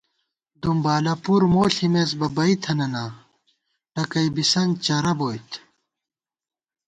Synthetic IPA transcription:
d̪umbaːlɐpuɾmoːɬimesbɐbɐit̪ʰɐnɐnaː | ʈɐkɐjbisɐnt͡ɕɐɾɐboːjt̪ʰ

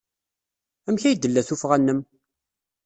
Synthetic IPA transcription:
æmçæjd̪ːəlːæθufʁænːəm

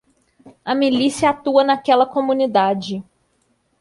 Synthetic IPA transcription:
ɐmilisiɐat̪uɐnakɛlɐkomũnid̪ad͡ʒɪ

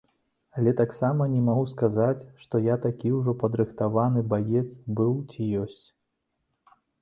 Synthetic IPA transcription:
alʲɛt̪aksamɐnʲɛmaɣuskazat͡sʲʂt̪ɔjat̪akʲiwʐɔpɐd̪ɾɨxt̪avanɨbajɛt̪sbɨwt͡sʲijɔsʲt͡sʲ

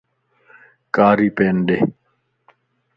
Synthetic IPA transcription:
kaːɾiːpeːnɖe

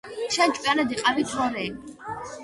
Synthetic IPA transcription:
ʃat͡ʃʼwjanɛd̪iqʼavit̪ʰɔɾɛ

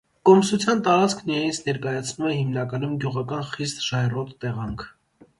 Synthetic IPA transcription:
kɔmsut͡sʰjɑnt̪ɑɾɑt͡skʰnijɑjint͡sʰnɛɾkɑjɑt͡sʰnumɛhimnɑkɑnumɡjuʁɑkɑnχist̪ʒɑɛrɔt̪ːɛʁɑŋkʰ

